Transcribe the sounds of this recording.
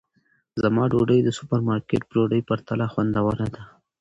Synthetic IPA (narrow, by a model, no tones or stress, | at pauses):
zamɑɖoɖəjd̪əsʊ̥paɾmɑɾkeʈ̚bɽoɖəjpaɾt̪alaxwand̪awəɾad̪a